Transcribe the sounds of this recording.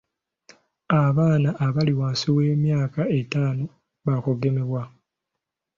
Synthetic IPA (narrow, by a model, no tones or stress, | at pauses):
aβaːnaʔːβaliwaːnsiweːmjaːkae̞taːno̞ | βakoɡe̞me̞βwa